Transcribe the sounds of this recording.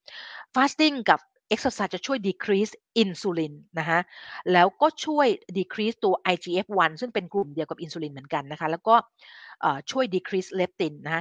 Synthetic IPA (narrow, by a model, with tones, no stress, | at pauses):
faː˦˥st̪i˥˩ŋka˨˩p̚ | ʔe˦˥k̚sa˧saː˨˩t̚t͡ɕa˨˩t͡ɕʰu˥˩əjdiː˧kʰɾiː˦˥sʔi˧nsuː˧li˧nːa˦˥kʰa˦˥ʔlɛː˦˥wkɔː˥˩t͡ɕʰu˥˩əjdiː˧kʰɾiː˦˥st̪u˧ɐʔa˧jt͡ɕiː˧ʔe˦˥p̚wa˧nsɯ˥˩ŋpe˧nkɾuː˧˩ndi˧əwka˨˩pʔi˧nsuː˧li˧nmɯ˩˦ənka˧nːa˦˥kʰa˦˥lɛː˦˥wkɔː˥˩ | ʔɤː˨˩t͡ɕʰu˥˩əjdiː˧kʰɾiː˦˥sle˦˥p̚t̪i˧nːa˥kʰa˦˥